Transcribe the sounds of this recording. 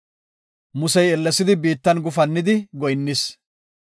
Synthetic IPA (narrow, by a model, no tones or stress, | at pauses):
mʊsɛjɛlːɛsɪd̪ɪbiːt̪ːɐnɡʊfɐnːɪd̪ɪɡɔjnːɪs